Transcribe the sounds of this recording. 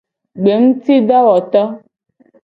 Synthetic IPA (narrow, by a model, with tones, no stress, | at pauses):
ɡ͡be˨ŋ̩˦ti˦da˦wɔ˨t̪a˦